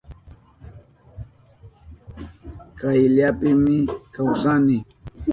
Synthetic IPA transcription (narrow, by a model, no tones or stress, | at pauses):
kajʎapɪmɪkawsanɪ